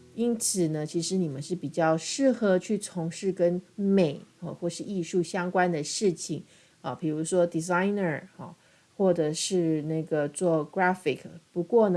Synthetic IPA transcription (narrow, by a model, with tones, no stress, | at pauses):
i˥nt͡sʰɹ̩˨˩nə˦t͡ɕʰi˧˥ʂɻ̩˧˥ni˨˩mə˨˦nʂɻ̩˥˩pi˨˩t͡ɕjɑ˥˧ʊʂɻ̩˥˩xɤ˧˥t͡ɕʰy˥˩t͡sʰʊ˧˥ŋʂɻ̩˥˩kə˥nme˨˩ɪə˧˩xwɔ˥˧ʂɻ̩˥˧i˥˧ʂu˥˩ɕjɑ˥ŋkwa˥nd̪ə˨ʂɻ̩˥˩t͡ɕʰi˨˩ŋ | ɐ˨˩pʰi˨˩ɻu˧˥ʂwɔ˥d̪i˨˩za˥ɪnə˥˨˩ɐ˩ | xwɔ˥˩ʈ͡ʂə˨˩ʂɻ̩˥˧na˥˩ɡə˩t͡swɔ˥˩kɹa˥fi˨˩kʰpu˧˥kwɔ˥˩nə˦